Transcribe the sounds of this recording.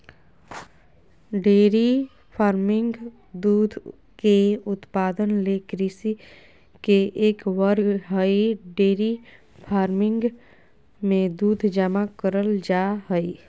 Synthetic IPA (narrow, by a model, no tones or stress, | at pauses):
ɖeːɾi | pʰaːɾmɪ̃ŋɡ | d̪uːd̪ʱ | keʊt̪paːd̪ənlekɾisi | keʔeːkwəɾɡɦəiɖeːɾi | pʰaːɾmɪ̃ŋɡ | mẽd̪uːd̪ʱd͡ʒəmakəɾəld͡ʒaɦəi